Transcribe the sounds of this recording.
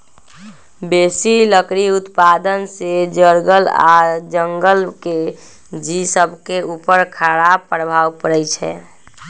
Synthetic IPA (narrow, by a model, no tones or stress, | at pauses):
besiləkɾiut̪pad̪ənsed͡ʒəɾɡəla̰d͡ʒəŋɡəlke | d͡ʒisəbʱkeupəɾkʰaɽapːəɾbʱawpəɾɛjt͡ʃʰɛ̰